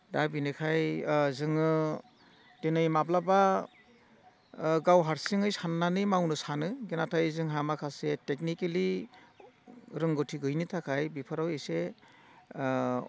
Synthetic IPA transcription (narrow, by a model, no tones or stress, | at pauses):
dabinɯkʰajzɯŋɯ | denɯjmablaba | ɡawɦaɾsiŋɯjsanːanɯjmawnɯsanɯɡenatʰajzɯŋɦamakʰasetek̚nikeli | ɾɯŋɡɔtʰiɡɯjnitʰakʰajbipʰɯɾawese